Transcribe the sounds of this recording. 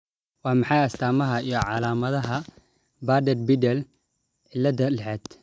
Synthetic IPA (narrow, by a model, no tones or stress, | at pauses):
wɑːmɑħɑjɐst̪ʰaːmɐɦɐijɔʕɑlaːmɐðɐɦɐ | baːd̪ɛd̪bɪd̪ɛl | ʕɪlːɐd̪ɐlɛħɛd̪̥